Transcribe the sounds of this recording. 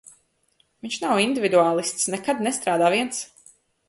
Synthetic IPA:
viɲʲʃnawind̪ʲivid̪uaːlˠist̪snɛkad̪nɛst̪ɾaːd̪aːviɛns

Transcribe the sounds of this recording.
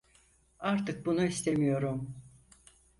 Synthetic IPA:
aɾt̪ɯk̚bunuist̪e̞mijo̞ɾum

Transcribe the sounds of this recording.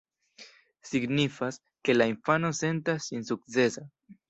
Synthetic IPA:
siɡnifas | ke̞lainfano̞se̞ntasːinsuk̚t͡se̞sa

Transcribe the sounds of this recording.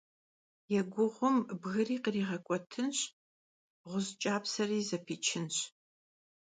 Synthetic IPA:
jɛɡʷʊʁʷʊmbɣɨriːqriːʁɐkʷʼɔtʰɨnɕ | ʁʷʊzt͡ʃʼaːpsɐriːzɐpʰiːt͡ʃʰɪnɕ

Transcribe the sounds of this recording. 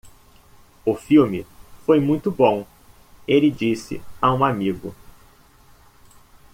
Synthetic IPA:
ʊfiwmɪfojmũj̃t̪ʊbõ | elɪd͡ʒisɪ̰aũamiɡʊ̰

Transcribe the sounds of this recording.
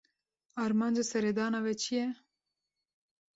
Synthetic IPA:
aɾmand͡ʒasɛɾed̪aːnavɛt͡ʃʰijɛ

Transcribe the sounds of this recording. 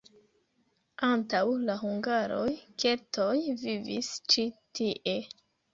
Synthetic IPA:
antawlaɦuŋɡaɾo̞jke̞tʰo̞jvivḭst͡ʃitiʔe̞

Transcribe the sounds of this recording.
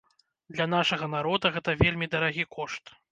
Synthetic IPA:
d̪lʲɐn̪aʂɐɣɐnaɾɔd̪ɐɣɛt̪ɐvʲelʲmʲid̪ɐɾaɣʲikʰɔʂt̪

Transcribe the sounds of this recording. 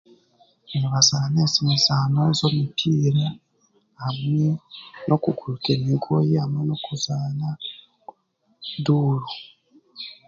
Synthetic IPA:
βazaanesimisanozomitʰiːɾa | amwenʔokukuɾukenikʰojiamwenokuzana | duːɾu

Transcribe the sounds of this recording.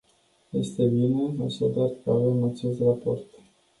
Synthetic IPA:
je̞st̪e̞bine̞aʃad̪arkəave̞mat͡ʃe̞st̪rapo̞rt̪

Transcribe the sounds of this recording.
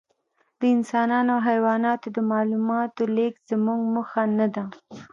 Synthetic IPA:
d̪̥əɪnsɑnɑnawɦajwɑnɑt̪od̪əmɑlumɑt̪olekz̥əmuŋɡməxanad̪a

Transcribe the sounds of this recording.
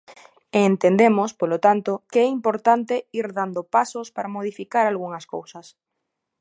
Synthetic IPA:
eːnt̪end̪emospolot̪ant̪okeɛimpoɾt̪ant̪eiɾðand̪opasospaɾamoð̞ifikaɾalɣ̞uŋasko̰wsas

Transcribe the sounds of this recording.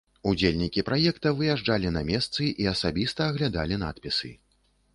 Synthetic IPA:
ud͡zʲelʲnʲikʲipɾʔajɛkt̪ɐvɨjaʐd͡ʐalʲinɐmʲɛst̪sɨʔiɐsabʲist̪ɐːɣlʲad̪a̰lʲina̰t̪pʲisɨ̰

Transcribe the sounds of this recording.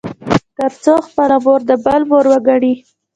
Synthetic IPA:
t̪əɾt͡soxpəlamoɾd̪əbalmoɾwəɡaɽi

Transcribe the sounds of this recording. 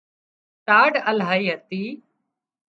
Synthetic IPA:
ʈaːɖəlɦaːiːɦət̪iː

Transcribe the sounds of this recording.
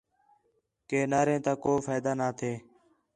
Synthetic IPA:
keːnaːɾẽːt̪ãːkoːfaːd̪aːnaːt̪ʰeː

